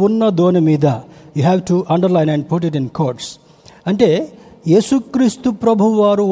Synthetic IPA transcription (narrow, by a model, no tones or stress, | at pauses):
unːɐd̪oːnɐmiːd̪ɐjuɦɛʋʈuʔɐɳɖɐɾlajnɛ̃ɳɖ̚puʈ̬iʈĩnkʰoːɾʈs | ɐɳʈe̞ːjeːsukɾiːst̪upɾɐbʱuʋaːɾu